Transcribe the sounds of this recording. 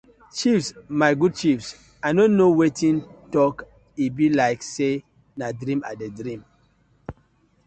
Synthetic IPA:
t͡ʃifsmaɪɡud̚t͡ʃifs | aɪnonːowetʰĩntɔk | ibilaɪkse | nadɾĩma̰dedɹĩm

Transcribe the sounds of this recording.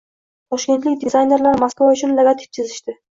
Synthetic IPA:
pʰɒʃkʲe̞nt̪lɪkʲd̪ɪzajne̞ɾlaɾmaskvaʊt͡ʃʰʊnleɡat̪ʰɪ̥ft͡ʃ̪ʰɪzɪʃt̪ɪ

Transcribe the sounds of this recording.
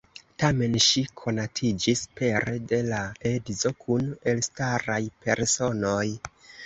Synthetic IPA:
tame̞nʃikʰo̞natʰid͡ʒispe̞ɾede̞laedzo̞kʰune̞lstaɾajpe̞ɾso̞no̞j

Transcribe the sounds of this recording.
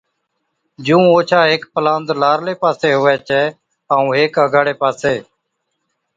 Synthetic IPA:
d͡ʒũːoːt͡ʃʰaːɦɪːkpəlãːnd̪laːɾleːpaːseːɦʊʋɛːt͡ʃɛː | aːũːɦeːkəɡʱaːɽeːpaːseː

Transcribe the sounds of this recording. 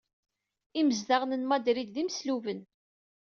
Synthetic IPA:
iməzdaʁnənmɑd̪ɾid̪ðimsluvən

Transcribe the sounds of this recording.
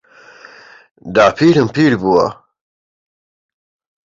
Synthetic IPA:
d̪aːpʰiːɾɨmpiːɾbuːwɐ̰

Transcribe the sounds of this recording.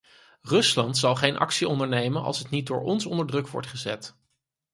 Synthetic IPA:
rɵslɑntsɑlˠχejnʔɑ̰ksiɔndəɹnejmənɑ̰lˠsətnit̚dʊːɹɔnsɔndəɹdrɵkʋɔ̰ɹtχəzɛ̰t

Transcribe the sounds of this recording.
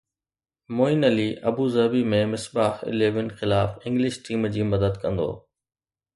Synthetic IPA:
moːɪnəliːʔɐbuːzɐbimẽmɪsbaːxɪ̰leːʋɪnxɪlaːfɪ̃ŋɡlɪʃʈiːmd͡ʑiːmɐd̪əd̪kɐ̃nd̪o̰ː

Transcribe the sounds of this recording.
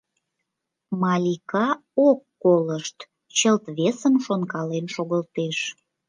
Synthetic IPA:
mɑlʲikɑ | okːoləʃt̪ | t͡ɕəlt̪βesənʃonkɑlenʃoɣəlt̪eʃ

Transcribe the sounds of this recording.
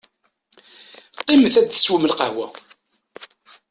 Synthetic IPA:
t̪ˤːiməθæd̪θə̥sːwəməlqəhwæ

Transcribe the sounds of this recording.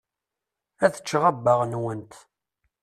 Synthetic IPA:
æθə̥t͡ʃːʁəbːəʁnwənt̪

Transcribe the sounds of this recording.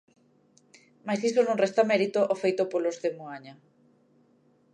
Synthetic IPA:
majsðisonõŋrest̪amɛɾit̪oʔofejt̪opolozðemuaɲa

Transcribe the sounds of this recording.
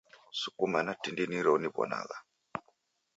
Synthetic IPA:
sukumanatindiniɾɔuniβɔ̰na̰ɣa

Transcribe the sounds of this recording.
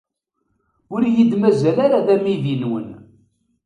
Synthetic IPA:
ʊɾjid̪mæzælaɾaðæmiðinwə̰n

